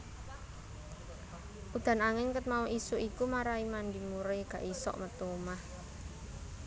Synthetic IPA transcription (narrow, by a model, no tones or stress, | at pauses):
ʔud̪̥a̤naŋɪnkət̪̚mauʔisuʔikumaɾaimand̪imuɾeɡ̥ä̤ʔisɔ̰ʔmət̪umah